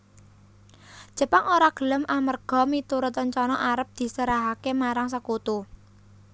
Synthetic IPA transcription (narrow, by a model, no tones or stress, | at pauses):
ʒ̥ə̤paŋoɾaɡ̥ə̤ləmʔamərɡ̥ɔ̤mit̪uɾʊt̪ɲt͡ʃɔnɔʔaɾəp̚d̪̥i̤səɾaɦakemaɾaŋsəkut̪u